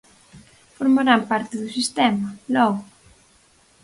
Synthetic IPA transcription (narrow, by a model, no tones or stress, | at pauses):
foɾmaɾampaɾt̪ɪðʊsist̪ɛmɐlɔɣʊ